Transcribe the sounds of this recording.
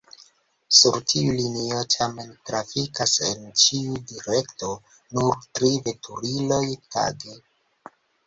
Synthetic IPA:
suɾtʰiulinio̞tʰame̞ntɾafikase̞̰nt͡ʃiudiɾe̞kto̞ | nuɾtɾive̞tʰuɾilo̞jta̰ɡe

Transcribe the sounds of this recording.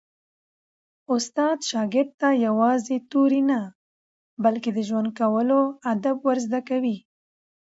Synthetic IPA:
ʊst̪ɑd̪ʃɑɡɪɾɖ̪̚t̪ajawɑzet̪uɾina | balked̪əʒwand̪̚kawəload̪abwaɾzd̪akawi

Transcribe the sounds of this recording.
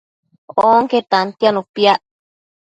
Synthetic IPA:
oŋket̪ant̪janũpiaʔ

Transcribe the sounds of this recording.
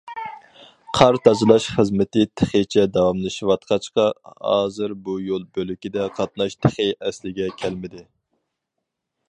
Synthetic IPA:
qʰɑɾt̪ʰɑd͡ʒɨlˠɑʃχəzmɪt̪ɪt̪ʰeχət͡ʃʰɛd̪ɑwɑmlɨʃiwɑt̪qʰɑt͡ʃqɑhɑ̰ːzɨɾbujolˠbølykʲid̪ɛqʰɑt̪̚nɑʃt̪ʰɪχəʔɛslɪɡʲɛkʲʰɛlmɪd̪ɪ

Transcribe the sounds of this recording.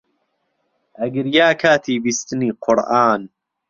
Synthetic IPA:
ʔɐɡəɾjaːkʰaːt̪ʰiːbist̪ɨniːqʰʊɾʔaːn

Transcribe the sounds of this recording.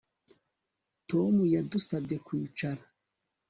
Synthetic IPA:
to̞mujadusabekwiːt͡ʃaɾa

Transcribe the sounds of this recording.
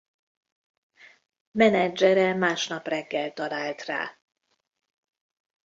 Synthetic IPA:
mɛnɛd͡ʒɛɾɛmaːʃnɒprɛɡːɛlt̪ɒlaːlt̪ra̰ː

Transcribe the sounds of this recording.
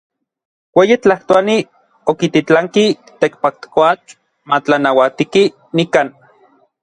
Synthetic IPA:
weːjit͡ɬaht̪oani | okit̪it͡ɬaŋki | t̪ekpak̚t̪koat͡ɬ | mat͡ɬanawat̪iki | nikaːn

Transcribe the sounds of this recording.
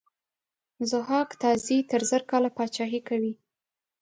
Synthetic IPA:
zʊɦɑkt̪ɑzit̪əɾzəɾkɑlapɑt͡ʃɑɦikawi

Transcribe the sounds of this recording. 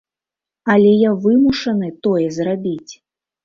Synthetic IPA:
ɐlʲɛjavɨmuʂɐnɨt̪ɔjɛzrabʲit͡sʲ

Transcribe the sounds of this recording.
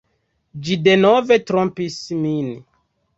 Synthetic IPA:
d͡ʒide̞nove̞tɾompismin

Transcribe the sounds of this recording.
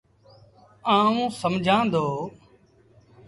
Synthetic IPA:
ãːũːsəmd͡ʒʱãːnd̪oː

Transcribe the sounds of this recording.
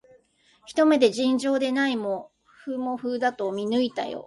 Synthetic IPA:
çi̥t̪o̞me̞d̪e̞ʑĩɲd͡ʑo̞ːd̪e̞naimo | ɸɯmo̞ɸɯːd̪at̪o̞mʲinɯit̪a̰jo̰

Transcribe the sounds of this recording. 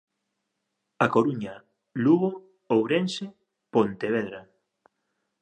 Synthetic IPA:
akoɾuɲa | luɣo | owɾense | pont̪eβ̞eðɾa

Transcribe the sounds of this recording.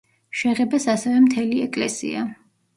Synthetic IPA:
ʃɛʁɛbasasɛvɛmt̪ʰɛliɛkʼlɛsḭa

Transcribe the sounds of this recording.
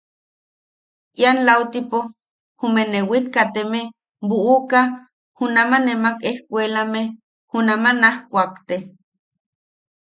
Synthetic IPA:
janlawt̪ipo | humenewit̪kat̪eme | buʔuka | hunamanemakehkʷelame | hunamanahkʷakt̪e

